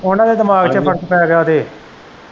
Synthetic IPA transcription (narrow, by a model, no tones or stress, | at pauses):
ʊnãːd̪eːd̪ɪmaːɡt͡ʃəpʰəɽt̪pəjaːɡɪaːt̪eː